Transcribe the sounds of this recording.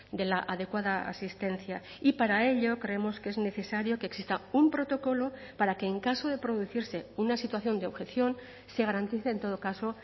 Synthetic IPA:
d̪e̞laʔaðe̞kwaðaa̰sist̪e̞nθja | ipaɾae̞ʎo̞kɾe̞emo̞skee̞zne̞θe̞saɾjo̞ke̞ːksist̪aumpɾo̞t̪o̞ko̞lo̞paɾake̞ːŋkaso̞ðe̞pɾo̞ðuθiɾse̞unasit̪waθjo̞nd̪eo̞βxe̞θjo̞n | se̞ɣ̞aɾant̪iθeːnt̪o̞ð̞o̞kaso̞

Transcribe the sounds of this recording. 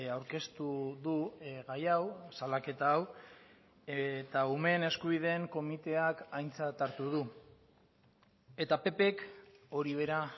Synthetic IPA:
awɾke̞st̪uðuɣajawsalake̞t̪aːw | et̪aume̞ne̞skuβ̞iðe̞ːŋko̞mit̪e̞akajnt͡sat̪aɾt̪uð̞u | e̞t̪ape̞pe̞ko̞ɾiβ̞e̞ɾa

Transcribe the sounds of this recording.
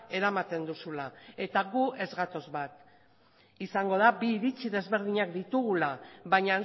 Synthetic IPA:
e̞ɾamat̪e̞nd̪usulae̞t̪aɣue̞zɣat̪o̞zβat̪ | isaŋɡo̞ð̞abiːɾit͡siðe̞zβe̞ɾð̞iɲakd̪it̪uɣulaβaɲa

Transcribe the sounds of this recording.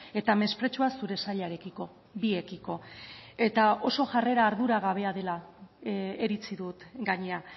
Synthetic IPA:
e̞t̪ame̞spɾe̞t͡ʃuasuɾe̞saʎaeɾekiko̞ | bie̞kiko̞e̞t̪ao̞so̞ʝare̞ɾaːɾðuɾaɣ̞aβ̞e̞aðe̞la | eɾit͡siðut̪ɡaɲe̞a

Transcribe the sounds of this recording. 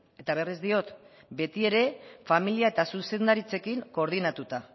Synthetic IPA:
e̞t̪aβ̞e̞rizd̪io̞t̪ | be̞t̪ie̞ɾe̞familiae̞t̪asuse̞nd̪aɾit͡se̞kiŋko̞ɾð̞inat̪ut̪a

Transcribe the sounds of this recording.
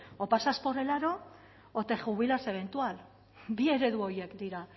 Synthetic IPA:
opasasporelaɾo̞ | ot̪e̞xuβ̞ilase̞β̞e̞nt̪ual | bie̞ɾe̞ðuo̞jekd̪iɾa

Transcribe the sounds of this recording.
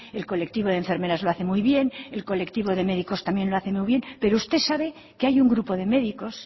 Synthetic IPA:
e̞lko̞le̞k̚t̪iβo̞ð̞eɱfe̞ɾme̞ɾazloaθe̞mujβje̞ne̞lko̞le̞kt̪iβo̞ðe̞me̞ðiko̞st̪amje̞nlo̞aθe̞mujβje̞npe̞ɾoust̪e̞saβe̞ | keajuŋɡɾupoðe̞me̞ðiko̞s

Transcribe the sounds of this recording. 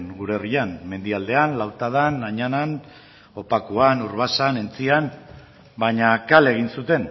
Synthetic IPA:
nɡuɾe̞rianme̞nd̪iald̪e̞anlawt̪að̞anaɲanan | o̞pakuanuɾβasane̞nt͡sian | baɲakale̞ɣ̞insut̪e̞n

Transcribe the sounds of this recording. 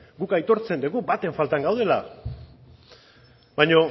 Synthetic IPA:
ɡukajt̪o̞ɾt͡se̞nd̪uɣubat̪e̞ɱfalt̪aŋɡawðe̞la̰ | bajɲo̞

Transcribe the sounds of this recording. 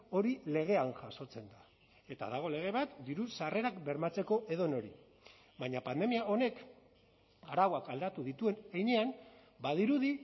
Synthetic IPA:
o̞ɾile̞ɣ̞e̞anʝaso̞t͡se̞nd̪a | e̞t̪a̰ðaɣ̞o̞le̞ɣ̞e̞βat̪d̪iɾusare̞ɾakbe̞ɾmat͡se̞ko̞ʔe̞ðo̞no̞ɾi | βaɲapand̪e̞miao̞ne̞k | aɾawakald̪at̪uðit̪ue̞nejɲe̞am | bað̞iɾuði

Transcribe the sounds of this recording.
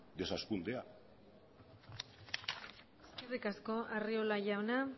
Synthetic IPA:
d̪e̞saskund̪ea | skirikasko̞ʔariolaʝawna

